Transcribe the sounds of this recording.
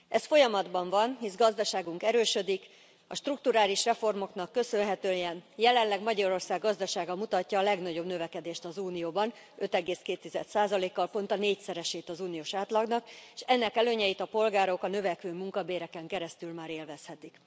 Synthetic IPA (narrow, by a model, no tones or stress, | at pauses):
ɛsfo̞jɒmɒd̪bɒɱvɒnɦizɡɒzd̪ɒʃaːɡuŋkɛɾøːʃød̪ik | ɒ̰ʃt̪ruk̚t̪uɾaːliʃrɛfo̞rmo̞knɒkːø̞sønɦɛt̪øːjɛnjɛlɛnlːɛɡmɒɟɒɾo̞rsaːɡːɒzd̪ɒʃaːɡɒmut̪ɒcːɒːlɛɡnɒɟo̞bnø̞vɛkɛd̪eːʃt̪ɒzuːnijoːbɒn | ø̞t̪ɛɡeːskeːt̪ːizɛ̰t̪saːzɒleːkːɒlpo̞nt̪ɒneːcsɛɾɛʃeːt̪ɒzuːnijoːʃaːt̪lɒɡnɒkʃɛnːɛkɛløːɲɛjit̪ɒpo̞lɡaːɾo̞kɒnø̞vɛkʋøːmuŋkɒbeːɾɛkɛŋkɛɾɛst̪ylmaːɾeːlvɛshɛt̪ik